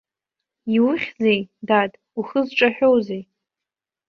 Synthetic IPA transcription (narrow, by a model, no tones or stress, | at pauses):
iwʊχʲzejdatʼ | uχəzʈ͡ʂʼaħᶣowzej